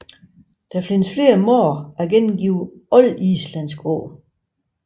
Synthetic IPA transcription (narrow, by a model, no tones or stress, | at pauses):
d̥ɑ̈fle̝nəsfle̝ːɐmɔ̰ːæɐɡ̥enmɡ̥iʊɒ̽lḭslænsɡ̥ʁo̰ː